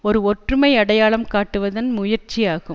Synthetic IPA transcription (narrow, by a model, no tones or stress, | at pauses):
ɔɾɯɔʈrɯmɐɪɐɽɐjaːɭɐmkaːʈːɯʋɐðɐnmʊjɐɾt͡ʃːijaːɣɯm